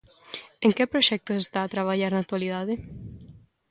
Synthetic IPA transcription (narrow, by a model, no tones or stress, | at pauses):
ẽŋkɪpɾoʃɛk̚t̪osest̪aːt̪ɾaβ̞aʎaɾnak̚t̪waliðaðɪ